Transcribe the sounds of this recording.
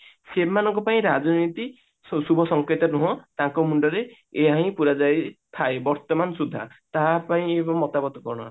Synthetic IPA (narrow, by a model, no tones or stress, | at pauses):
semanɔŋkɔpaĩɾad͡ʒɔnit̪i | subʱɔsɔŋket̪ɔnuɦɔ̃t̪ãŋkɔmuɳɖɔɾe | eɦaɦĩpuɾad͡ʒajt̪ʰaebɔɾt̪ɔmanɔsud̪ʱːat̪aɦapaĩebɔŋmːɔt̪abɔt̪ɔkɔɽ̃ɔa